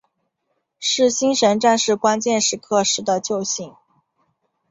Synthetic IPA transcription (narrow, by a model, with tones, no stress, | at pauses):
ʂɻ̩˥˩ɕi˥nʂə˧˥nʈ͡ʂa˥˧nʂɻ̩˥˩kwa˥nt͡ɕjɛ˥˧nʂɻ̩˥˩kʰɤ˥˩ʂɻ̩˧˥d̪ə˨t͡ɕjo˥˧ʊɕi˥˩ŋ